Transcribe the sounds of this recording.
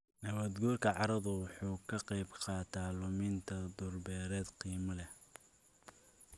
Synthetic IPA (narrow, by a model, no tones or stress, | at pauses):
nɐβɐd̪ɡuːrkʰɐʕɑɾɐðʊwɑħuːkʰɐqɑjbqɑːt̪ʰaːlʊmɪnt̪ʰɐd̪ʊrbɛːɾɛːd̪qiːmɐlɛh